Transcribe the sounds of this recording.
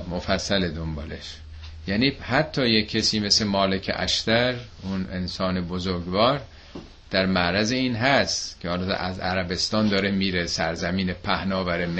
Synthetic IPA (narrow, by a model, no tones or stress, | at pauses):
mofæsːæled̪ombɒːleʃ | jæːniːhæt̪ʰːɒːjecʰːesiːmeslemɒːle̞cʰḛʔæ̰ʃt̪æɾunḛnsɒːne̞bozoɾɡvɒːɾ | d̪̥æɾmæɾæzeiːnɦæst̪cʰehɒːlɒʔæzæ̰ɾæbe̞st̪ɒːnd̪ɒːɾemiːɾesæɾzæmiːnepʰæhnɒːvæɾem